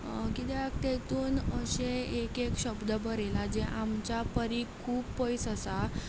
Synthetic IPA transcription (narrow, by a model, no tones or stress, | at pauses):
kit̪jakt̪et̪uːnəɕẽekekɕəbd̪əbəɾelad͡ʑeʔamt͡ɕapəɾikʰuːpːəjsəsa